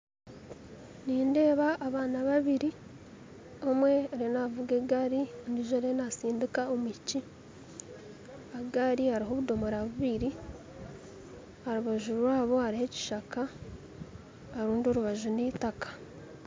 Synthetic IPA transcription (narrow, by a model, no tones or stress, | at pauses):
niːnde̞ːβaʔːβaːnaβaβiɾi | o̞mwe̞oɾenavuɡeɡaɾiniʒoɾenasiːndikaomici | aɡaɾihaɾiɦo̞βudo̞moɾaβuβiɾi | aɾuβaʒuɾwaːβo̞aɾihe̞ci̥ʃaka | ɾuːndio̞ɾuβaʒuniːtakḁ